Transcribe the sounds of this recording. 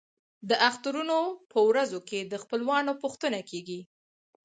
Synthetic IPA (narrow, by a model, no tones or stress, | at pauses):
d̪əʔaxt̪aɾunopʰəwɾazoked̪əxpəlwɑnopuxt̪ənakeɡi